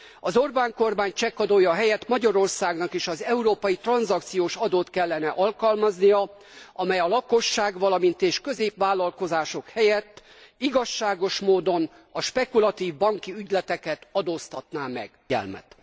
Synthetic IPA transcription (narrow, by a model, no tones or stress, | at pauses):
ɒzo̞rbaːŋko̞rmaːɲt͡ʃɛkːɒd̪ojɒːɦɛjɛt̪mɒɟɒɾo̞rsaːɡnɒkeːʃɒzɛuɾoːpɒjit̪rɒnzɒkt̪sijoːʃɒd̪oːt̪kɛlːɛnɛʔɒlkɒlmɒznijɒ | ɒmɛjɒlɒko̞ʃːaːɡʋɒlɒmint̪eːʃkø̞zeːpʋaːlːɒlko̞zaːʃo̞khɛjɛt̪ː | iɡɒʃːaːɡo̞ʃmoːd̪o̞n | ɒʃpɛkulɒt̪iːvbɒŋkiyɟlɛt̪ɛkɛt̪ɒd̪oːst̪ɒt̪naːmɛ̰ɡ̥ | ɛ̰lmɛ̰t̪